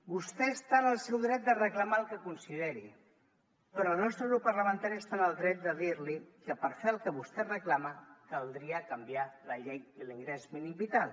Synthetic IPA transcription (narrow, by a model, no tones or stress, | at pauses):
bust̪ɛːst̪anəlˠsɛwðɾɛt̪̚d̪ərəkləmaəlˠkəkunsiðeɾi | pɾɔəlˠnɔst̪ɾəɣɾupːəɾləmənt̪aɾiəst̪anəlˠd̪ɾɛt̪̚d̪əðiɾlikəpəɾfeəlˠkəβust̪ɛrəklaməkəlˠd̪ɾiəkambjaləʎejiliŋɡɾezminimbit̪al